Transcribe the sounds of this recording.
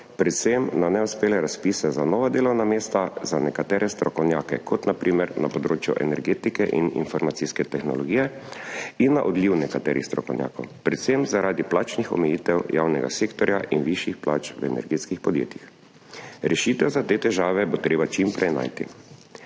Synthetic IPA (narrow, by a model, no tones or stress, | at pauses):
pɾɛt̪semnanɛuspeːlɛɾaspiːsɛzanɔʋad̪eːlɔwnameːst̪azanɛkat̪ɛːɾɛst̪ɾɔkɔwnjaːkɛ̰kʰɔt̪napɾʔiːmɛɾna̰pɔd̪ɾoːt͡ʃjṵʔɛ̰nɛɾɡeːt̪ikɛʔḭnḭnfɔɾmat̪siskɛt̪ɛxnɔlɔɡiːjɛ | inːaʔɔd̪liwnɛkat̪ɛ̰ːɾʔḭxst̪ɾɔkɔ̰wnʲja̰ːkɔwpɾɛt̪semzaɾʔaːd̪iplaːt͡ʃnixɔ̰mɛjiːt̪ɛwja̰wnɛɡa̰seːkt̪ɔɾjaʔinʋiʃjixpla̰ːt͡ʃʋɛ̰nɛ̰ɾɡet̪skixpɔd̪jḛːt̪jix | ɾɛʃit̪ɛwzat̪eːt̪ɛʒaːʋɛbot̪ɾeːbat͡ʃimpɾɛjna̰ːjt̪ḭ